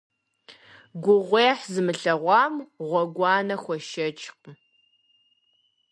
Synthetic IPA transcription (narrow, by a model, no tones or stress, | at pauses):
ɡʷʊʁʷeːħzɨmɨɬɐʁʷɑːmʁʷɔɡʷɑːnɐxʷɔʃɐt͡ʃʼq̚